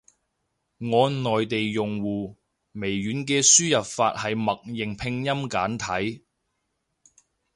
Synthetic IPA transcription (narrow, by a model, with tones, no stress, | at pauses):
ŋɔː˨˧nɔː˨jt̪e˨jjʊ˨ŋwuː˨ | me˨˩jɥyː˨˥nkɛː˧syː˥jɐ˨p̚fa̰ː˧t̚hɐ˨jmɐ˨k̚jɪ˨˩ŋpʰɪ˧ŋjɐ˥mkaː˨˥nt̪ʰɐ˨˥j